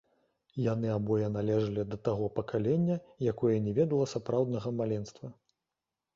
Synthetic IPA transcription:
janɨabɔjɛnalʲɛʐɐlʲid̪ɐt̪aɣɔpɐkalʲɛnʲːɐjakɔjɛnʲɛvʲɛd̪ɐlˠɐsapɾawd̪nɐɣɐmalʲɛnst̪vɐ

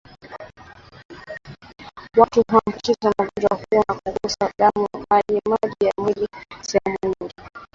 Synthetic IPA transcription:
watuɦam̩kizamaɡud͡ʒahuwanakuɡɔsaɗamuhaɗimaʄijamilisɛɛmuɲiŋɡi

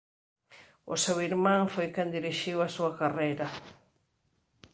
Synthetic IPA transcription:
o̰sewiɾmãŋfojkẽnd̪iɾiʃiwasuakarejɾɐ

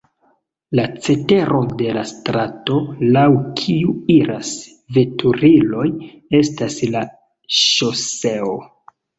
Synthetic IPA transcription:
lat͡se̞te̞ɾʔo̞de̞la̰stɾato̞lawkʰiuiɾas | ve̞tʰuɾilo̞j | e̞stasla | ʃose̞o

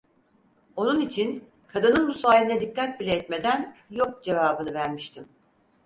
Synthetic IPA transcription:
o̞nunit͡ʃʰin | kʰad̪ɯnɯnbusaːilʲinɛd̪ikːat̪̚bilʲeɛt̪me̞d̪ænjo̞k̚d͡ʒe̞vaːbɯnɯvæɾmiʃt̪ʰim

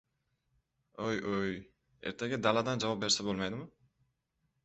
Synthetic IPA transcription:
ojoj | eɾt̪e̞ɡʲed̪ɑlˠɑd̪ɑnd͡ʒɑβvap̚be̞ɾse̞bo̞lˠmɑjd̪ɪmɯ

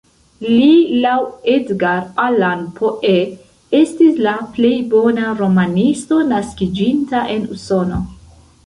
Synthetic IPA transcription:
lilawedɡaɾalanpʰoʔe | estislaple̞jbo̞naɾo̞manisto̞naskid͡ʒintaʔe̞nuso̞no̞

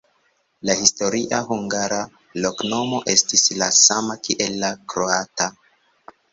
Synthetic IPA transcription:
lahisto̞ɾiʔaɦuŋɡaɾa | lokno̞mo̞ʔe̞stislasamakiʔe̞lːakɾoata

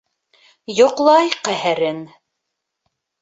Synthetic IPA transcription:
jŏqlˠɑjqæɦɘɾɘn

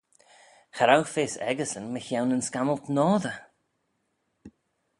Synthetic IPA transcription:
xaɾawfeːsɛ̰ɡəsənməçawnənskaməlˠtnɔːðə

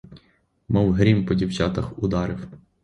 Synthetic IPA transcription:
mɔwɦɾʲimpɔdʲiwt͡ʃɑt̪ɐxʊd̪ɑɾɪw

